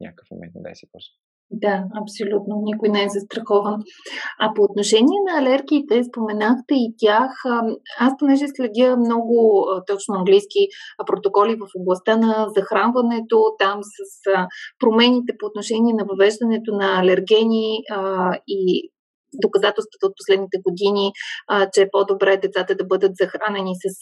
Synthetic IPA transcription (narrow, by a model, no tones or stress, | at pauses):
nʲa̰kəfmɛ̰bɛ̰sɛpos | d̪aɐpsolʲut̪nonikojnɛɛzɐst̪ɾɐxɔvɐnɐpoːt̪noʃɛnʲiɛnɐɐlɛɾɡʲiːt̪ɛspomɛnaxt̪ɛit̪ʲjaxasponɛʒɛslɛd̪ʲiəmnɔɡʊt̪ɔt͡ʃnʊɐŋɡlijsk̟ipɾot̪okɔlʲivɐfoblˠɐst̪anɐzɐxɾanvɐnɛt̪ot̪amsəsəpɾomɛnʲit̪ɛpoːt̪noʃɛnʲiɛnɐvɐvɛʒd̪ɐnɛt̪onɐːlɛɾɡɛnʲi | i | d̪okɐzat̪ɛlˠst̪və̥t̪əot̪̚po̥slɛd̪nit̪ɛɡod̪init͡ʃɛːpɔd̪obɾɛd̪ɛt̪sat̪əd̪ɐbɤd̪ət̪zɐxɾanɛnisɐs